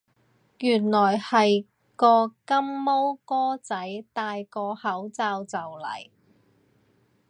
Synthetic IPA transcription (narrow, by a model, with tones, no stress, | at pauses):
jyː˨˩nlɔː˨˩jhɐ˨j | kɔː˧kɐ˥mːo˥wkɔː˥t͡sɐ˨˥jt̪aː˧jkɔː˧hɐ˨˥wt͡saː˧wt͡sɐ˨wlɐ̰˨˩j